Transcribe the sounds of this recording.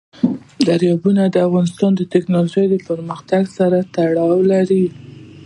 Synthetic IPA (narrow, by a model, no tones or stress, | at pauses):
d̪aɾjɑbunad̪əafɣɑnɪst̪ɑnd̪ət̪ɪknɑloʒəjd̪əpəɾməxt̪aɡsaɾat̪aɽɑwlaɾi